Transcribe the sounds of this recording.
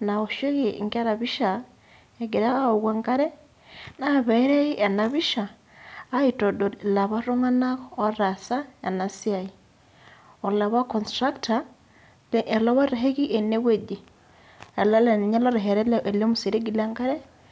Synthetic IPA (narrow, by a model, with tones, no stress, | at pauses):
na˨o˨ʃo˦ɣi˨ŋka˦ɾa˨βi˦ʃa | e˨ɡi˨ɾa˦o˨ɣwa˦ŋka˦ɾe˦ | na˨βe˦ɾe˦i˦ʔa˨na˨βiʃaː˨˦ | i˨to˨do˨la˨βa˦ɾo˦ŋa˦na˦ɣːɾa˨sa˦a̰˨na˨si˦a˨i˨ | o˨la˨βa˦kɔ˨nstɾa˦kta | lʔe˨la˦βa˦ɾeɦe˦ɣi˦ʔe˨ne˦we˦ɟi˨ | a˨la˦la˨ni˨ɲa˦la˦ɾeɦeɾe˦leʔe˨le˦mu˨si˨ɾe˦ɡi˨la˦ŋka˦ɾe˦